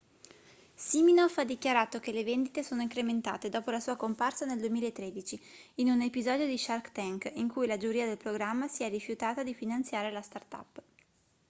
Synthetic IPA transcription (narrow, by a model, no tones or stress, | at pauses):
siminɔfad̪ːikjaɾaːt̪okelevend̪it̪esoːnoiŋkɾement̪a̰ːt̪ed̪ɔːpolasuːakomparsaneld̪uemiːlaet̪ːɾeːd̪it͡ʃiːnunepizɔːd̪jod̪iʃarkt̪ɛŋkiŋkujlad͡ʒuɾiːad̪elpɾoɡɾamːasiɛrːifjut̪aːt̪ad̪ifinant̪sjaːɾelast̪art̪a̰pː